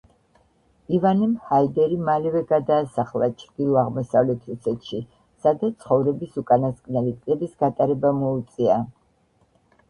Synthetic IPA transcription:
ivanimhaid̪ɛɾimalɛvɛɡad̪aːsaχlˠat͡ʃʰɾd̪̥ilˠɔaʁmɔsavlɛt̪ʰɾusɛt̪ʰʃi | sad̪at̪sʰχɔvɾɛbisukʼanaskʼnɛlit̪ʼlɛbisɡat̪ʼaɾɛbamɔut̪sʼia

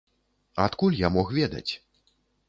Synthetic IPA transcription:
at̪kulʲjamɔxvʲɛd̪ɐ̰t͡sʲ

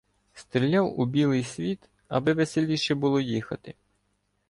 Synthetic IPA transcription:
st̪ɾʲilʲːawʊbʲilˠɪjsʲʋʲit̪ | ɐ̰bɪʋeselʲiʃɛbʊlˠɔjixɐt̪ɪ

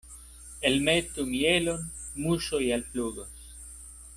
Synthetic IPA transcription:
elmetumielonmuʃojalpluɡos

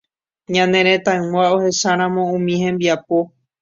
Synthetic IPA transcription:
ɲãnẽɾ̃ẽt̪ãɨ̃wao̞he̞ʃaɾ̃ãmõ̞ũmĩhẽ̞mbiapo̞

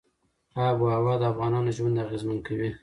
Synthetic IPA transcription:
abuawɑd̪əafɣɑnɑnoʒwand̪aɣezmənkawi

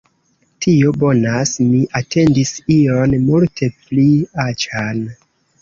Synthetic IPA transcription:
tʰio̞bo̞nasmiʔatʰe̞ndisionmultʰe̞pliat͡ʃan

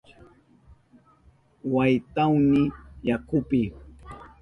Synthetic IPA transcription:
wajt̪awnɪjakʊpɪ

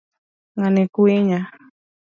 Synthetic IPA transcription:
ŋanɛkweɲa

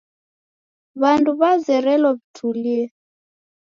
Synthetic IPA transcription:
βanduβazɛɾɛlɔβitʰuliɛ

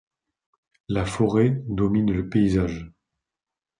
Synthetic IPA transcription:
lafɔʁed̪ɔminləpeizaʒ

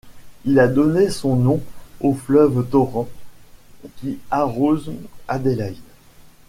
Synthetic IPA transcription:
ilad̪ɔnesɔ̃nɔ̃oflœvd̪ɔʁɑ̃ | kʲiaʁozad̪elaid̪

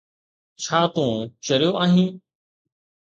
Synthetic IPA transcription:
t͡ɕʰaːt̪ũːt͡ʃəɾjoːʔaːɦĩː

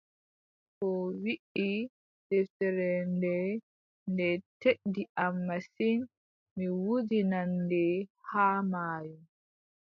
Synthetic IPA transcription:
kɔwiʔi | d̥ɛftɛɾɛndɛ | ndɛteɗdiʔamːasin | miwudinandɛhaːmaːjum

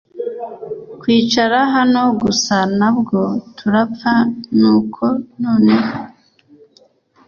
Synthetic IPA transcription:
kwiːt͡ʃaɾaɦano̞ɡusanabɡo̞tʰuɾapfanuːkʰo̞noːneho

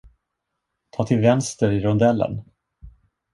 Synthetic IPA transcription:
t̪ʰɑːt̪ʰɪlvɛnst̪əɾɪɾɔnd̪ɛlːə̰n

